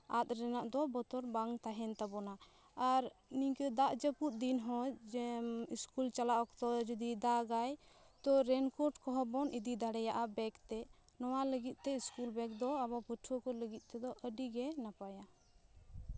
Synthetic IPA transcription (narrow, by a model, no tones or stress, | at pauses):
at̪̚ɾɛnaʔd̪ɔbɔt̪ɔɾbaŋt̪aɦɛnt̪abɔna | aɾmiɲkəd̪aʔd͡ʒəput̪̚d̪inɦɔ̃ | iskult͡ʃalaʔɔkt̪ɔd͡ʒɔd̪id̪aɡaj | t̪ɔɾɛnkɔʈkɔɦɔbɔnʔid̪id̪aɽɛjaʔabɛkt̪ɛ | nɔwaləɡit̪̚ˀt̪ɛiskulbɛk̚d̪ɔaβapəʈʰɔkɔləɡit̪̚ˀt̪ɛd̪ɔʔəɖiɡɛnapaja